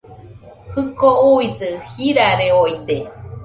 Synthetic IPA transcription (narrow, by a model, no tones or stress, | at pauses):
hɯkouisɨhiɾaɾeoid̪e